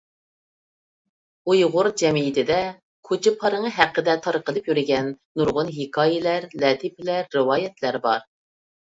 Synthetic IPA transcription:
ujʁʊɾd͡ʒɛmiit̪ʰɪd̪ɛ | kʰot͡ʃʰɪpʰɑɾəŋəɦæqːəd̪ɛt̪ʰɑɾqəlˠɨpjyɾɪɡʲɛnːuɾʁʊnɦekʰɑːjɪlæɾlɛːt̪ʰipɪlæɾːɨwɑːjɛt̪ʰlæɾbɑɾ

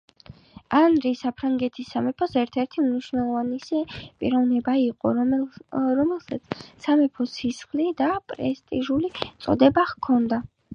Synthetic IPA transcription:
anɾisapʰɾaŋɡɛt̪ʰisːamɛpʰɔsɛɾt̪ʰɛɾt̪ʰimniʃwnɛlˠɔvanɛsɛpʼiɾɔvnɛbaiqʼɔ̰ | ɔmɛlˠsat̪sʰsamɛpʰɔsisχlid̪apʼɾɛst̪ʼiʒulit̪sʼɔ̰d̪ɛbaʁkʰɔnd̪a

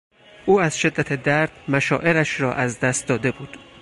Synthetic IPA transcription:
ʔuːæzʃe̞d̪ːæt̪ʰe̞d̪æɾd̪̥mæʃɒːʔe̞ɾæʃɾɒːʔæzd̪æst̪̚d̪ɒːd̪e̞buːd̪̥

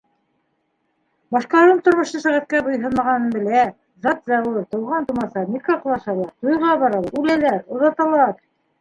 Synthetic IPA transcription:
bɑʃqɑɑɾɤmt̪ŏɾmŏʃt̪ɤsæʁæt̪̚kæbɤ̆jɦɤnmɑʁɑnɤnbɘ̆læ | zɑt̪zɑwɤɾt̪ŏwʁɑnt̪umɑsɑmʲikɑqlˠɑʃɑlˠɑɾt̪ujʁɑβɑɾɑlˠʉlælæɾŏðɑt̪ɑlˠɑɾ

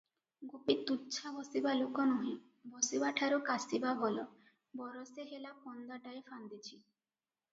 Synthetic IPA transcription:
ɡopit̪uːt͡ʃʰabɔsibalokɔnɔɦĩ | bɔsibaʈʰaɾukasibabʱɔlɔ | bɔɾɔseɦelapɔnd̪aʈaefand̪it͡ʃʰi

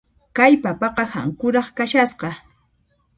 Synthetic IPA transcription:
kajpapɑqɑha̰ŋkʊɾɑχkaʃasɢɑ

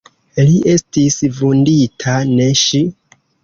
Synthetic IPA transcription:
liʔe̞stisvunditʰane̞ʃi

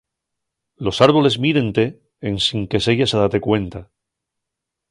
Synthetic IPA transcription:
lo̞saɾβole̞zmiðe̞nt̪e̞ː | nsiŋke̞seʝasaðat̪e̞kwe̞nt̪a

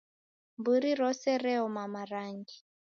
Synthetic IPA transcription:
mbuɾiɾɔsɛrɛumamaraŋɡi

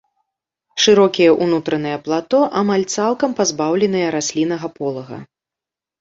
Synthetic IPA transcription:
ʂɨɾɔkʲijɐʔunut̪ɾɐnɨjɐplˠat̪ɔʔamalʲt̪salˠkɐmpazbawlʲɛnɨjɛɾasʲlʲin̪ɐɣɐpɔlˠɐɣɐ̰

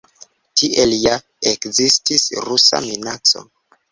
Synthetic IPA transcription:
tʰiʔe̞lja | ekzistisɾusa̰minat͡so̰

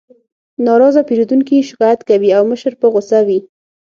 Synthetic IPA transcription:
nɑɾɑzapeɾud̪uŋkiʃɪ̥kɑjat̪kawiawməʃəɾpəɣʊsawi

